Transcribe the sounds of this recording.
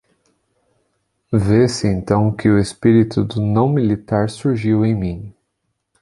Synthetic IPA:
vesɪẽnt̪ɐ̃w̃kɪʊespiɾit̪ʊd̪ʊnɐ̃w̃milit̪aɾsuɾʒiwẽj̃mĩ

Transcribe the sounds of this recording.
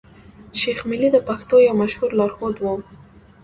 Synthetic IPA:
ʃexmɪlid̪əpaxt̪ojawmaʃhuɾlɑɾxod̪wo

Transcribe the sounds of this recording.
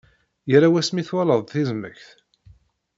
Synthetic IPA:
jəɾawæsmiθwæləðˤθizmə̰çθ

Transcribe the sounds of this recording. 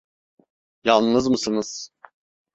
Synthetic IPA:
jalˠnɯzmɯsɯnɯz̥

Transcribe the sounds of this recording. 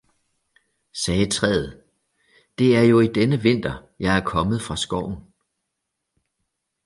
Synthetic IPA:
sɛːt͡sʰʁɛ̰ːð̞̩ˠ | d̥e̝æɐjo̝id̥enəʋe̝n̰d̥ɐjɑ̈ɪæɐkʰɒ̽məð̞̩ˠfʁɑ̈sɡ̥ɒʊ̰n

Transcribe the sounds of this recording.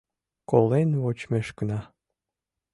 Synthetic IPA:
kolenβot͡ɕmeʃkənɑ

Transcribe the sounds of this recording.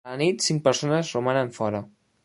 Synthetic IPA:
ənit̪siŋk̚pəɾsonəzrumanəɱfɔɾə

